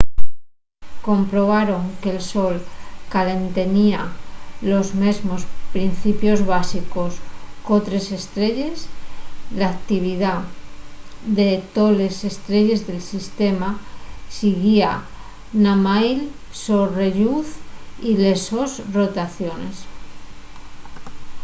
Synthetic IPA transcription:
ko̞mpɾo̞β̞aɾo̞ŋkelso̞lkale̞nt̪e̞nialo̞zme̞zmo̞spɾin̟θipjo̞zβasiko̞sko̞t̪ɾe̞se̞st̪ɾe̞ʎe̞slaːk̚t̪iβ̞iða | ðe̞t̪o̞le̞se̞st̪ɾe̞ʎe̞zðe̞lsist̪e̞masiɣia | namajlsore̞ʎuθileso̞sro̞t̪aθjo̞ne̞̰s

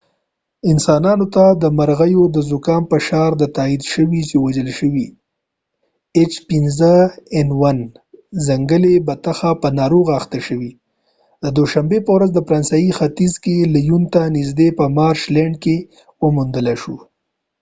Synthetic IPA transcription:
ɪnsɑnɑnot̪ad̪əmaɾɣajod̪əzʊkɑmpəʃɑɾd̪ət̪aid̪ʃəwit͡ʃewad͡ʒəlʃəwi | et͡ʃpɪnzəɛnwan | zaŋɡəlebat̪axapənɑɾoɣaxt̪aʃəwi | d̪əd̪oʃambepəwɾazd̪əfɾɑnsajixat̪izkelajunt̪anizd̪epəmɑɾʃlɛɳɖke | wəmund̪əlaʃu

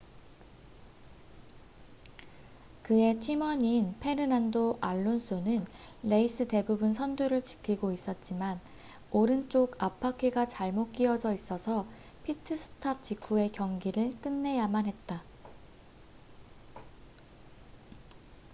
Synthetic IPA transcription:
kɯe̞tʰimʌɲinpʰe̞ɾɯnandoʔaɭːons͈ʰonɯnː | e̞is͈ʰɯte̞bubuns̬ʰʌnduɾɯɭt͡ɕi̥kʰiɡois͈ʌt̚t͡ɕ͈iman | oɾɯnt͡ɕ͈oɡapʰakʰiɡat͡ɕaɭmok͈iʌd͡ʑʌis͈ʌsʰʌ | pʰitʰɯsʰɯ̥tʰap̚t͡ɕ͈ikʰue̞kjʌŋɡiɾɯɭk͈ɯnːe̞jamanɦet̚t͈a

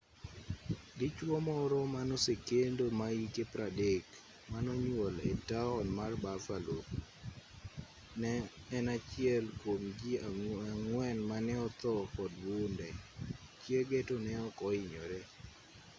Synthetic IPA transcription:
ɡɪt͡ʃwɔmɔɾɔmanɔsekendomaikepɾadek | manɔɲwolḛtaɔnmarbafalok | nɛːnat͡ʃɪɛlkomd͡ʒiaŋwɛnmanɛɔt̪ɔkɔdwundɛt͡ʃjeɡetonɛɔkɔɪɲoɾɛ

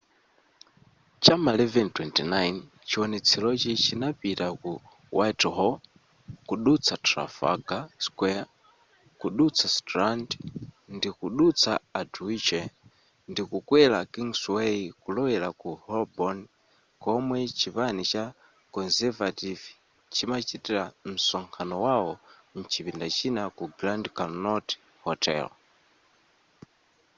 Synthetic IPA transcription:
t͡ʃamalɛvɛntwɛntinajn | t͡ʃiwɔnɛt͡sʰilɔt͡ʃit͡ʃʰinapitaku | wajtɦɔ | kuɗut͡sʰatɾa̰fa̰ɡaskwɛa | kuɗut͡sʰastɾandndikuɗut͡sʰaaduit͡ʃɛ | ndikukwɛlakiŋsweikulɔwɛlakuhɔlbɔn | kɔmwɛt͡ʃiβanit͡ʃa | kɔnzɛvativ | t͡ʃimat͡ʃitɛɾam̩sɔŋkʰanɔwawɔn̩t͡ʃipindat͡ʃinakuɡɾandkanɔt | hɔtʰɛ̰l

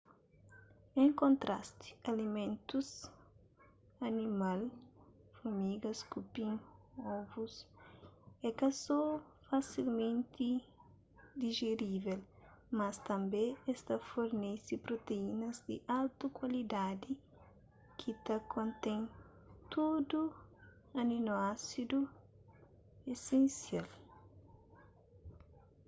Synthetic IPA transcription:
ẽŋkõnt̪ɾʔa̰st̪i̥ɐlimẽnt̪us | ɐnimalfɐmiɡɐskupĩŋɔbus | ekɐsɔ | fasilmẽnt̪i | d̪iʒeɾivel | mɐst̪ɐ̃mbẽest̪ɐfoɾnesipɾot̪einɐzd̪ɪʔalt̪ukwalid̪ad̪i | kʰit̪ɐkʰõnt̪ẽn | t̪ud̪u | ɐninoasid̪u | esẽnsjal

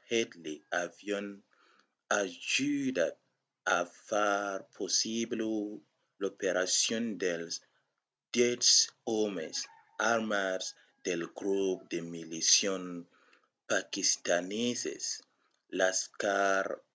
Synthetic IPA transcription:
hed̪liavjon | aʒud̪a | afaɾpʰosiblo | lopeɾasjond̪els | d̪̥jesomes | aɾmas | d̪elɡɾup̚d̪emilisjon | pakist̪anesḛs | laskaɾ

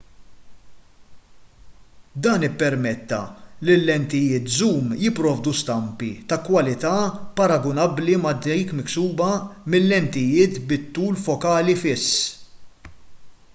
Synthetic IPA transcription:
d̪ɐːnɪpːɛɾmɛt̪ːɐ̰lɪlːɛnt̪ɪjɪːt̪zuːmjɪpːɾɔːvd̪ust̪ɐmpit̪ɐkwɐlɪt̪ɐpɐɾɐɡɔnɐbːlimɐd̪ːɛjkmɪksuːbɐmɪlːɛnt̪ɪjɪːt̪bɪt̪ːuːlfɔkɐːlifɪsː

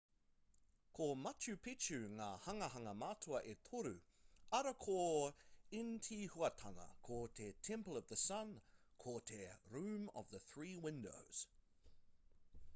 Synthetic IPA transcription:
kʰomɐtʉpʰɪt͡ʃʉŋahɐŋɐɦɐŋɐmatʰuɐʔet̪ʰoɾʉɐɾɐkʰo | ɪntʰihuɐtʰaŋɐ̰kʰotʰetʰɛ̃mpəlʌvðəsɐ̃nkʰotʰeɹʉ̃ːmə̰vðəθɹiːwɪ̃ndo̰ʊz̥

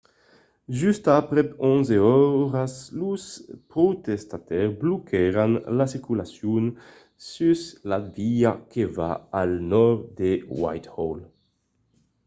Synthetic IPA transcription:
ʒyst̪apɾɛɔnzeɔɾasluspɾot̪est̪at̪ɛʁblokʰɛɾanlasikulasjun | syslaviakeva̰alnɔʁd̪ewa̰jt̪hɔl

